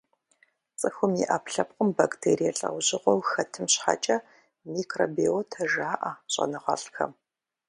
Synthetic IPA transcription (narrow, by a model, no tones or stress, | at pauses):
t͡sʼɨxʷʊmiʔaːpɬɐp̚qəmbaktʰeːɾijɛɬʼɐ̰wʑɪʁʷɔwxɐtʰɨmɕħa̰t͡ʃʼɐ | miːkʰroːbiotʰɐʒaːʔɐɕʼɐ̰nɨʁɐ̰ɬxɐ̰m